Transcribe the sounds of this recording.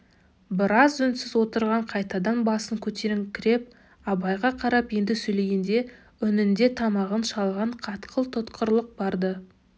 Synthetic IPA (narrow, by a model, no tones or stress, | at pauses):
bɪɾɑzʏnsɪzwo̞t̪əɾʁɑɴqʰɑjt̪ɑd̪ɑnbɑsəŋkʲʰɵt̪e̞ɾɪŋkʲʰɪɾe̞p̚ | ɑbɑjʁɑqʰɑɾɑpje̞nd̪ɪsɵjle̞ɡʲend̪e̞ | ʏnɪnd̪e̞t̪ʰɑmɑʁənʃɑlˠʁɑɴqʰɑt̪qʰəlˠt̪ʰʊt̪qʰəɾlˠəq̚bɑɾd̪ə